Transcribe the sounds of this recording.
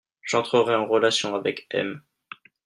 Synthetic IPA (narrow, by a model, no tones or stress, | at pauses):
ʒ̥ɑ̃t̪χəʁɛɑ̃ʁəlasjɔ̃avɛkɛ̰m